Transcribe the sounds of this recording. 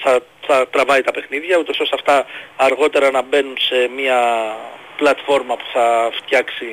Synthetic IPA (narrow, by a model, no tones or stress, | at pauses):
θɐ | θɐt̪ɾɐvɐit̪ɐpe̞xniðʝɐut̪o̞so̞sɐft̪ɐːɾɣo̞t̪e̞ɾɐnɐbe̞nunse̞miɐ | plɐt̪fo̞ɾmɐpu̥θɐft̪çɐksi